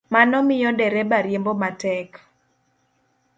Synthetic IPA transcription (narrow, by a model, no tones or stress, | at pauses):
manɔmɪjɔdɛɾebaɾjembomatɛk